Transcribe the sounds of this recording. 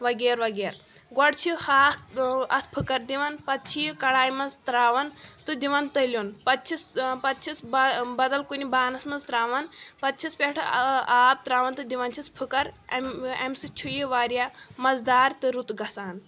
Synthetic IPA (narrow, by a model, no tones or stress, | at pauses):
ʋɐɡeːɾʋɐɡeːɾ | ɡɔɽt͡ʃʰiihaːɐspʰɨkɐɾd̪iʋɐnpɐt̪̚t͡ʃʰijkɐɽaːjmɐnzt̪ɾaːʋɐnt̪ɨd̪iʋɐnt̪ɐlʲjonpɐt̪t͡ʃʰispɐt̪t͡ʃʰisbbɐd̪ɐlkunibaːnɐsmɐnzt̪ɾaːʋɐnpɐt̪̚t͡ʃʰispʲeʈʰaːb̚t̪ɾaːʋɐnt̪ɨd̪iʋɐnt͡ʃʰispʰɨkɐɾɐmɐmsɨt͡ʃʰujiʋaːɾijamɐzd̪aːɾt̪ɨɾut̪ɡɐsaːn